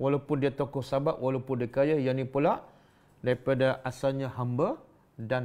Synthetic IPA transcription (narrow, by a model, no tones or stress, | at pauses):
walawpʊndiat̪okɔŋsabaʔwʔalawpʊndiakajajanĩpulaʔ | daɾipadaʔasalɲaɦambə | dan